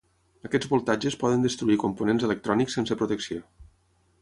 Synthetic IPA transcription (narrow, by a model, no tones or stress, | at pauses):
əkɛd͡zβulˠt̪ad͡ʒəspɔðənd̪əst̪ɾuikumpunenzelək̚t̪ɾɔniksensəpɾut̪əksio